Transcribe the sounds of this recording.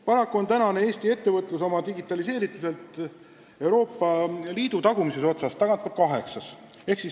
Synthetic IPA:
pɑɾɑkːˑuo̞nt̪ænɑneeːst̪ie̞t̪ːe̞vɤt̪ˑluso̞mɑd̪iɡit̪ːˑɑlise̞ːɾit̪ːˑud̪̥e̞lt̪ˑ | e̞wɾo̞ːpˑːɑliːd̪̥ut̪ɑɡ̥umiseso̞t̪sɑst̪ɑɡ̥ɑnt̪̚kɑt̪̚kɑɦe̞ksɑs | e̞hksis

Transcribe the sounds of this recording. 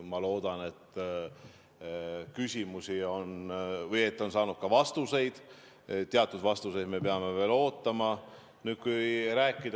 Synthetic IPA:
mɑlo̞ːd̪̥ɑne̞t̪ː | kysʲimusʲio̞nvɤje̞t̪ːˑo̞nsɑːnud̪̚kɑvɑst̪use̞jd̪̥ | t̪ːeɑt̪ːˑud̪vɑst̪use̞jd̪me̞peɑme̞ve̞ːlo̞ːt̪ˑːɑmɑ | nyːd̪̥kujɾæːkˑːid̪

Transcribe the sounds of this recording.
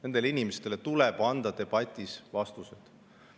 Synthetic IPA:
ne̞nd̪̥e̞leinimest̪e̞let̪uleb̥ɑnd̪̥ɑt̪e̞b̥ɑt̪ʲːˑisvɑst̪used̪̥

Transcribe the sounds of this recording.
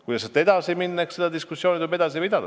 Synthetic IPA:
kujd̪ɑset̪ːˑed̪ɑsiminːeksed̪ɑd̪iskusːjo̞ːnit̪ube̞d̪̥ɑs̬ipid̪ɑd̪ɑ

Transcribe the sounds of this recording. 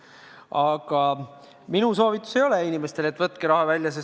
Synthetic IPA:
ɑɡ̥ɑ | minuso̞ːvit̪ːˑu̥se̞jo̞leinʲimest̪e̞let̪ːˑvɤt̪ːˑkeɾɑɦɑvælʲjɑse

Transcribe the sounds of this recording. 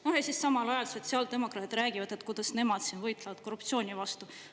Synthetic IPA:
no̞hjesissɑmɑlɑjɑlso̞t̪siɑːld̪̥e̞mo̞krɑːt̪t̪ːɾæːɡ̥ivɑd̪̥et̪kujd̪̥ɑsne̞mɑd̪̥sinvɤjt̪ˑlɑvɑd̪̚ko̞rːupt̪sio̞ːnʲivɑst̪u

